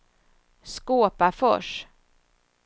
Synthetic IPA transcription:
skoːpafɔ̰ʂ

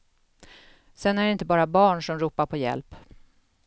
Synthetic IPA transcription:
sɛnːæɖɛɪnt̪əbɑːɾabɑːɳʂɔmɾuːpaɾpʰɔjɛ̰lp

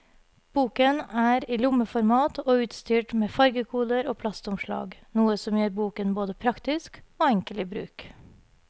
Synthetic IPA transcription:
b̥uːkənæːɾiːlʊməfɔɾmɑːt̪ʰoːʉːt̪st̪yːʈmeːfɑɾɡəkʰuːd̪əɾoːpʰlɑst̪ʊmʃɭɑ̰ːɡnuːəsɔmjøːɾbuːkənboːd̪əpʰɾɑkt̪ɪskoːɛŋkəlɪːbɾʉ̰ːk

